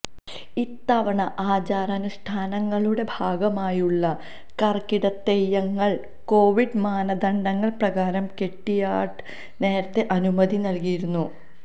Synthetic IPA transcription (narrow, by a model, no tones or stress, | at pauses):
it̪ːɐʋɐɳɐʔaːd͡ʑaːɾɐnuʂʈʰaːnɐŋːɐɭuɽe̞bʱaːɡɐmaːjuɭːɐ | kɐrkiɽɐt̪ːejɐŋːɐɭ | ko̞ːʋiɖmaːnɐd̪ɐɳɖɐŋːɐɭprɐɣaːɾɐmke̞ʈːijaːʈɨ̥ | ne̞ːɾɐt̪ːe̞ʔɐnumɐd̪ʱinɐlkijiɾunːu